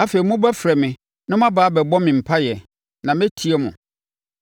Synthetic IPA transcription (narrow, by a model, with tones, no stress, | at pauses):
a˨fe˨i˨mʊ̃˦bæ˦fɾɛ˨mɪ̃˨ | nʊ̃˦mã˦baː˨˦bɛ˨bɔ˦mɪ̃˨m̩˨pʰa˦jɛ˨ | nã˨mɛ̃˦tʰi˨˦ɛ˦mʊ̰̃˨